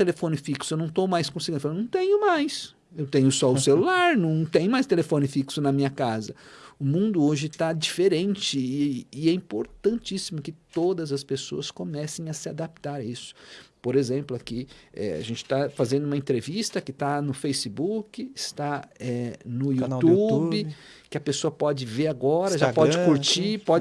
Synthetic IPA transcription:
t̪elefõnɪfiksʊewñw̃t̪owmajskõsi̥ɡĩnd̪fl̃nɐ̃w̃t̪ẽɲʊmajs | ewt̪ẽɲʊsɔʊselulaɾnɐ̃w̃t̪ẽjɲʊmajst̪elefõnɪfiksʊnɐmĩɲɐkazɐʊmũnd̪ʊoʒɪt̪ad͡ʒifeɾẽnt͡ʃɪːɛĩmpoɾt̪ɐ̃nt͡ʃisimʊkɪt̪od̪ɐzɐspeso̰ɐskomɛsẽj̃ɐsɪad̪ap̚t̪aɾisʊ̥poɾezẽmplʊakiɛ̰a̰ʒẽnt͡ʃɪ̥t̪afazẽnd̪ʊũmɐẽnt̪ɾevist̪ɐkɪt̪anʊfejsɪbukɪɪst̪aɛnʊiut̪uubɪ | kɪɐpesoɐpɔd͡ʒɪveɾaɡɔɾɐʒapɔd͡ʒɪkuɾt͡ʃipɔd͡ʒ

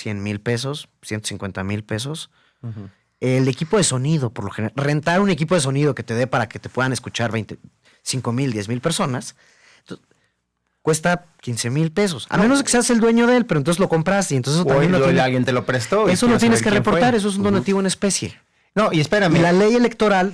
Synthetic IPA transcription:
sjenmilpe̞s̬o̞s | sjent̪osiŋkwent̪amilpe̞s̬o̞s | ele̞kipo̞ðe̞so̞nið̞o̞poɾloxenere̞nt̪aɾunek̬ipo̞ðe̞so̞niðo̞ke̞t̪e̞ðe̞paɾake̞t̪epwe̞ðane̞skut͡ʃaɾβejnt̪e | siŋko̞mild̪jezmilpe̞ɾso̞nas | t̪o | kwe̞st̪a | kinse̞milpe̞s̬o̞sa̰lmenozkesease̞ld̪we̞ɲo̞ðe̞lpeɾont̪onslo̞ko̞mpɾast̪eient̪osesot̪ambjenoealɣjent̪elopɾest̪oesonot̪jeneskerepoɾt̪aɾes̬oes̬und̪o̞nat̪iβoene̞spe̞sje̞̰ | noʔiespeɾamelale̞je̞le̞k̚t̪o̞ɾal

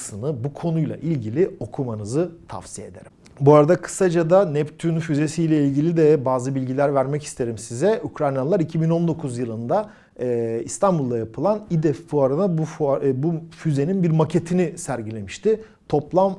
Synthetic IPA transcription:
sɯnɯbukʰo̞nujlˠa̰ʔilʲɟilʲio̞kʰumanɯzɯt̪ʰa̰fsijed̪e̞̰ɾim | buaɾad̪akʰɯ̥sad͡ʒad̪anɛpt̪ʰynfyze̞sijlʲɛilʲɟilʲid̪ɛbaːzɯbilʲɟilʲæɾvæɾmɛcist̪ʰe̞ɾimsizɛukɾajnaɯlˠaɾicʰibino̞nd̪o̞kʰuzjɯlˠɯnd̪a | ist̪ʰanbulˠd̪ajapʰɯlˠanid̪ɛfːuaɾɯnabbufyze̞ninbiɾmacʰe̞t̪ʰinɪsæɾɟilʲe̞miʃt̪ɪ | t̪ʰo̞plˠam

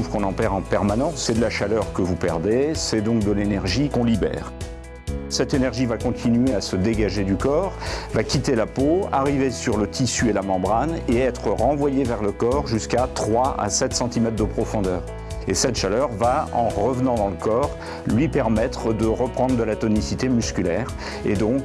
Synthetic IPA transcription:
fkɔ̃nɑ̃pɛʁɑ̃pɛʁmanɑ̃sːɛd̪əlaʃalœʁkəvupɛʁd̪esɛd̪ɔ̃k̚d̪əlenɛʁʒikɔ̃libɛ̰ːʁ | sɛt̪enɛʁʒivakɔ̃t̪ʰinɥeasəd̪eɡaʒed̪ykɔːʁvakʲit̪elapoa̰ʁivesyʁlət̪ʰisyelamɑ̃bʁaneɛt̪χəʁɑ̃vwajevɛʁləkɔʁʒyskat̪χwaa̰sɛt̪sɑ̃t̪imɛt̪χd̪əpχɔfɔ̃d̪œːʁ | esɛt̪ʃalœʁvaɑ̰̃ʁəvnɑ̃d̪ɑ̃ləkɔːʁ | lɥipɛʁmɛt̪χəd̪əʁəpχɑ̃d̪ʁd̪əlat̪ɔnisit̪emyskʲylɛːʁ | ḛd̪ɔ̃k

